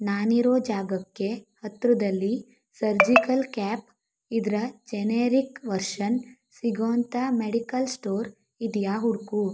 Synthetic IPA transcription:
naːniɾoːd͡ʒaːɡɐkːe̞hɐt̪ɾud̪ɐlːi | sɐɾd͡ʒikɐlkaːp | id̪ɾɐd͡ʒeneːɾikʋɐɾʃɐn | siɡoːnt̪ʰɐmeɽikɐlsʈoːɾ | id̪jaːɦuɽku

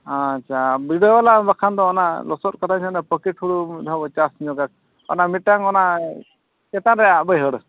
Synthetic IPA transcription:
at͡ʃʰabiɖɔlabakʰand̪ɔːnalɔsɔt̚kat̪ʰasanapəkɛʈhuɽud̪ʱabɔt͡ʃasɲɔɡak̚ | ɔ̰namiʈaŋɔna | kɛt̪anɾɛjaʔbəjɦəɽ

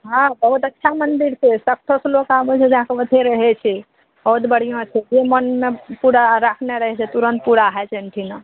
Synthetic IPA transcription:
ɦãbəɦut̪ətːʃʰamənd̪iɾsesək̚ʈ̪ʰəslokabɛt͡ʃʰɛd͡ʒəɦãkeʋət̪ʰeɾəɦɛt͡ʃʰɛ | bəɦut̪bəɽ̤ijõt͡ʃʰɛd͡ʒemənmepuɾaɾakʰneɾəɦɛt͡ʃʰɛt̪uɾənt̪̚puɽaɦɛt͡ʃʰɛəɳʈʰina

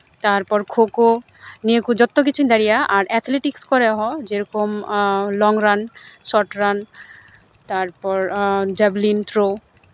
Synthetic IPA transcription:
t̪aɾpɔɾkʰoko | niekud͡ʒɔt̪ːok̬it͡ɕʰunid̪aɾijaʔaɾɛt̪ʰleʈikskɔɾeɦɔd͡ʑeɾɔkomlɔŋɾansɔʈɾan | t̪aɾpɔɾd͡ʒɛblint̪ɾo

